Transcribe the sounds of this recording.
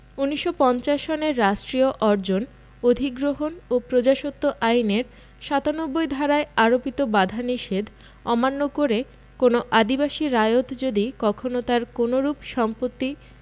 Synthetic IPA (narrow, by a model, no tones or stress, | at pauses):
uniʃːopɔnt͡ɕaʃoneɾːaʃʈɾioʔɔɾd͡ʑon | od̪ʱiɡɾoɦonopɾod͡ʑaʃot̪ːoʔajneɾ | ʃat̪anobːojd̪ʱaɾaeaɾopit̪obad̪ʱaniʃed̪ | ɔmanːokoɾe | konoʔad̪ibaʃiɾajot̪d͡ʑod̪ikɔkʰonot̪aɾkonoɾubʃɔmpot̪ːi